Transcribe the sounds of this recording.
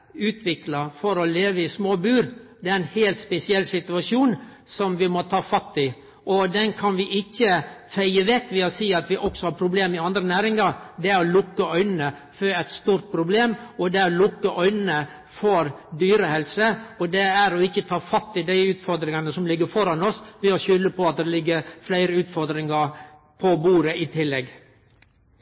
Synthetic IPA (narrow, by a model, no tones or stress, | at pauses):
ʉːt̪ʰʋɪklɑfɔɾɔleːʋəɪsmoːbʉːɾd̪ɛæɾɛnhɛːlt̪spɛsɪɛlːsɪt̪ʉɑʂuːnsɔmʋɪmɔt̪ʰɑːfɑt̪ːɪ | ʔɔd̪ɛnkʰɑnʋɪʔɪçːəfæɪəʋɛkːʋɪɑsiːɑt̪ʋɪʔɔksɔhɑɾpʰɾʊbleːmɪɑnd̪ɾənæːɾɪŋɑɾd̪ɛæɾɔlʊkːəœʏnənəfɔɛt̪st̪uːɾt̪̚pʰɾʊbleːmɔd̪ɛæɾɔlʊkːəʔœʏnənə | fɔɾd̪yːɾəhɛlsəɔd̪ɛæɾɔɪçːət̪ʰɑːfɑt̪ːɪd̪æɪʉːt̪fɔɾd̪ɾɪŋɑnəsɔmlɪɡːəɾfɔɾɑnɔsʋɪɔʃʏlːəpɔɑt̪̚d̪ɛlɪɡːəɾflæɪɾəʉːt̪fɔɾd̪ɾɪŋɑɾ | pʰɔbuːɾəʔɪt̪ʰɪlːɛɡ